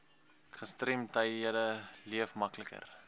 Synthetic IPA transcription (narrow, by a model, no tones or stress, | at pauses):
χəstrimtəjɦiədəliəfmɐkləkə̰r